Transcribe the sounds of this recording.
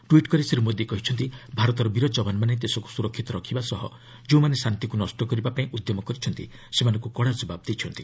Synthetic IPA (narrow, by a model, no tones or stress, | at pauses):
ʈuiʈkɔɾiseɾumod̪ʱjekɔɦit͡ʃʰɔnt̪ibʱaɾɔt̪ɔɾɔbiɾɔd͡ʒɔbanmanet̪esɔku̥suɾɔkʰːit̪ɔɾɔkʰibasɔɦɔ̰ | d͡ʒeũmanesant̪ikunɔsʈɔkɔɾibapaĩʔud̪jɔmɔkɔɾit͡ʃʰɔnt̪i | semanɔ̃ŋkukɔɽad͡ʒɔbabd̪ejt͡ʃʰɔnt̪i